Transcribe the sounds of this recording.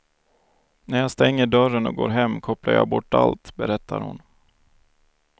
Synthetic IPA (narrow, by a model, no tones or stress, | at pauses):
næɾjɑːst̪ɛŋːəɖœɾənɔɡoːɾɦɛmːkʰɔplaɾja̰ːbɔʈːa̰lt̪bɛɾɛt̪ːa̰ɾhʊ̰n